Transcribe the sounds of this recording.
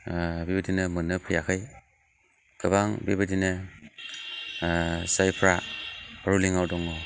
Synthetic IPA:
bibɯdinɯmɯnɯpʰɯjakʰɯj | kʰɯβaŋbibɯdinɯ | sajpʰɾaaɾuliŋawdɔŋɯw

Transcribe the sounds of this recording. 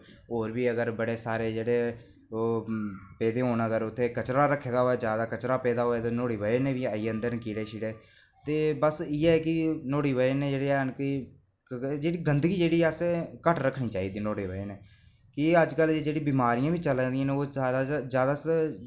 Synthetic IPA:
oːɾbiːəɡəɾbəɽeːsaːɾeːd͡ʒeːɽeː | oːpɛːd̪eːɦoːnəɡəɾʊt̪ʰːeːkət͡ʃɾaːɾəkʰːeːd̪aːɦoːɛːd͡ʒjaːd̪aːkət͡ʃɾaːpɛːd̪aːɦoːɛːt̪eːnoːɽiːʋəenẽːʋiːəiənd̪əɾnkiːɽeːʃiːɽeː | t̪eːbəsiːɛːkɪnoːɽiːʋəenẽːd͡ʒeːɽeːnkɪ | d͡ʒeːɽiːɡənd̪ɡiːd͡ʒeːɽiːəsekəʈɾəkʰːɽ̃ĩːt͡ʃaːiːd̪iːnoːɽiːʋəeneː | kɪəd͡ʒkəld͡ʒeːd͡ʒeːɽĩːbɪmaːɾijãːbiːt͡ʃəlːd̪ijãːnẽːoːaːd̪aːzjaːd̪aːs

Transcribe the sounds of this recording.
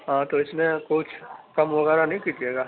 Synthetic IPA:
ɦãːt̪oɪsmẽkʊt͡ʃʰkɐmʋɐɣɛːɾanɐɦĩkiːt̪ieːɡaː

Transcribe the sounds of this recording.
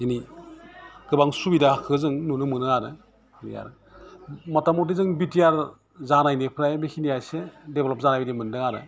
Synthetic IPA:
ini | ɡɯbaŋsubidakʰɯzɯŋnunɯmɯnɯaɾɯ | nḭja̰ɾ | mɔtamɔt̬izɯŋbitijaɾ | zanajnipʰɾajbikʰinijajsedeblɔp̚zanajbidimɯndɯŋaɾɯ̰

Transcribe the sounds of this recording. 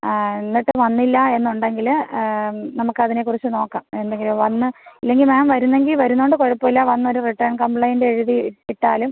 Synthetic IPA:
nːiʈːɨʋɐnːilːɐe̞nːuɳɖe̞ŋɡil | nɐmukːɨɐðine̞kːurɐit͡ɕːɨno̞ːkːaːmme̞nd̪eŋɡilumʋɐnːɨɐlːe̞ŋɡilmaːmʋɐɾunːe̞ŋɡilʋɐɾunːoɳɖɨkoɻɐpːoilːaʋɐnːo̞ɾuriʈːɐrɳkɐmbɭɐjndeːɻuðiiʈːaːlum

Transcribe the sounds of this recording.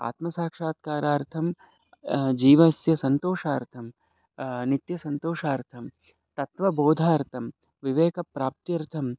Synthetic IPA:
a̰ːt̪mɐsaːkʂaːt̪kaːɾaːɾt̪ʰɐm | d͡ʒiːʋɐsjɐsɐnt̪oːʂaːɾt̪ʰɐm | nit̪jɐsɐnt̪oːʃaːɾt̪ʰɐm | t̪ɐt̪ʋɐboːd̪ʱaːɐɾt̪ʰɐm | ʋiʋeːkɐpɾaːp̚t̪iɐɾt̪ʰɐm

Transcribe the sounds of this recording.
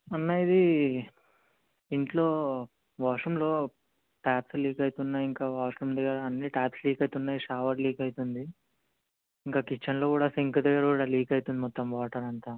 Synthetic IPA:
ɐnːajid̪i | iɳʈlo̞ː | ʋaːʂɐmlo̞ː | ʈaːpsliːkɐjit̪unːaːjiŋkaːʋaːʂumd̪ɐɡːɐɾɐːnːiʈaːpsliːkɐjt̪unːaːjiʂaːʋɐɖliːkɐjit̪und̪i | iŋkaːkit͡ʃːɐnlo̞ːkuːɽaːsiŋkud̪ɐɡːɐɾɐkuːɽaːliːkɐjit̪und̪imɔt̪ːɐmʋaːʈɐɾɐnt̪aː

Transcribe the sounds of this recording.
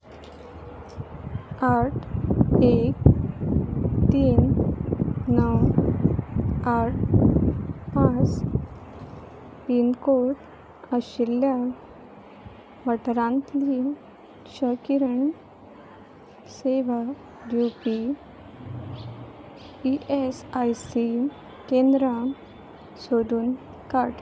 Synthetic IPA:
aʈʰek | t̪iːn | nəw | aʈ̚ʰ | pas | pinkoʈ | əɕilːja | ʋəʈɾãnt̪li | ɕəkiɾəɳ | seʋa | bjupi | iʔesajsi | kẽnd̪ɾa | soɽuːn | kaʈ

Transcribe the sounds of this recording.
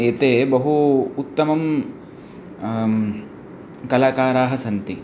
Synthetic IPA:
eːt̪eːbɐɦuːt̪ːɐmɐm | kɐlaːkaːɾaːɦɐsɐnt̪i

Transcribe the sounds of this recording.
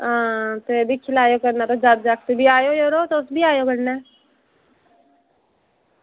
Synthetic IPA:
ɦãːt̪oebʱikʰɪlaːjokəɾnat̪od͡ʒaːd̪̚d͡ʒaːk̚t̪ebʱiaːjojoːɾoːt̪oʊsbʱiaːjokəɽna

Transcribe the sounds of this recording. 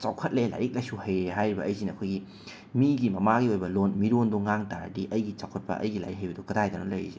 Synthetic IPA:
t͡ʃawkʰɐt̚lela̰jɾik̚lɐjsuhɐjɾeɦajɾibɐʔːjzinɐkʰojɡi | miɡimɐmaɡiojbɐlonmiɾonduŋaŋtaɾ̰diʔɐjɡit͡ʃawkʰɐt̚pɐ̰ʔɐ̰jɡila̰jik̚ɦɐjbɐdukɐdajdanolɐj̰ze

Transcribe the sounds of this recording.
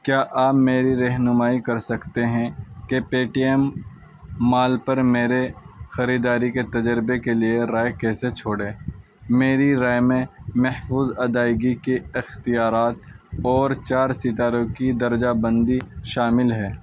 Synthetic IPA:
kjaːʔaːpmeːɾiɾɐɦnʊmaːikɐɾsɐkt̪eɦɛ̃kepeːʈiɛmː | aːlpɐɾmeːɾexɐɾiːd̪aːɾiket̪ɐd͡ʒəɾbekelieɾaːekɛːset͡ʃʰoːɽẽː | meːɾiɾaːjmẽmɐhfuːzɐd̪aːɪɡikeɪxt̪ijaːɾaːt̪̚ɔːɾt͡ʃaːɾsɪt̪aːɾõkid̪ɐɾd͡ʒabɐ̃nd̪iʃaːmɪlɦɛː

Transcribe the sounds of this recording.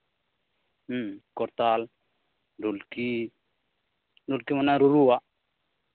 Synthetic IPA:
m̩kɔɾt̪al | dulki | dulkimanaɾuɾuwa

